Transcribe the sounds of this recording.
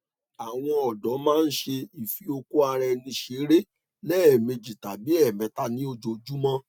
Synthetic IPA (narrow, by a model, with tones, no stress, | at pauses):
a˨w̃ɔ̃˧ɔ˨dɔ˨˦mãː˦˧n̩˦ʃe˧i˨fi˨˦o˧ku˦a˧ɾɛ˧nĩ˧ʃe˨˦ɾe˦ | lɛː˦ɛ˨me˧d͡ʒi˨ta˨bi˨˦ɛ˦˨mɛ̃˨˦ta˧nĩ˦o˧d͡ʒo˨d͡ʒu˦mã˦